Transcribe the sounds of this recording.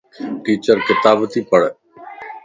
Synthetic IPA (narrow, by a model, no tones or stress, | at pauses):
ʈiːt͡ʃəɾkɪt̪aːbt̪iːpəɽ